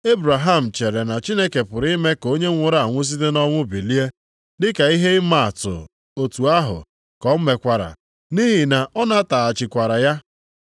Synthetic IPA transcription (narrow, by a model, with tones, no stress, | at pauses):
e˦bɾa˨ɦa˦˨m̩˨t͡ʃe˨ɾe˨na˨t͡ʃi˦ne˦ke˨pʊ˨ɾi˦me˦ko˦ɲe˦ŋʷʊ˦ɾa˦a˨ŋʷʊ˦s̬i˦te˦nɔ˦ŋʷʊ˦bi˨li˦e˦ | dɪ˦ka˨i˦ɦe˦ɪ˦ma˨a˨tʊ̰˨ | o˨tu˨a˦ɦʊ̰˨ | kɔ˦m̩˦me˨kʷa˨ɾa̰˨ | ni˦ɦi˨na˨ɔ˦na˦ta˨a˨t͡ʃɪ˨kʷa˨ɾa˨ja˦